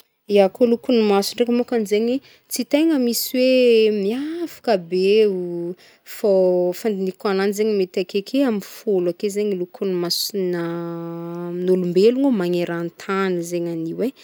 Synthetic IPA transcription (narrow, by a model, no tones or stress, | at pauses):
iakolukunimasuɳɖ͡ʐekəmukanizeɲwe | t͡sit̪eŋəmisiwemiafḁkəbeu | fofand̪inikananizeɲmet̪akekʰeamifolakezeɲilukunimasina | nulumbeluŋomaŋeɾant̪ʰanəzeɲaniwe